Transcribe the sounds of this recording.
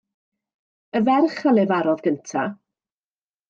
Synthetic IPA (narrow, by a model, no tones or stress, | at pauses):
əvɛrχalɛvaɾɔðɡəntʰa